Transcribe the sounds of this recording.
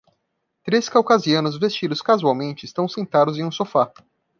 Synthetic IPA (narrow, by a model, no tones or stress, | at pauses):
t̪ɾeskawkaziɐ̃nʊzvest͡ʃid̪ʊskazuawmẽnt͡ʃɪɪst̪ɐ̃w̃sẽnt̪ad̪ʊzẽũsofa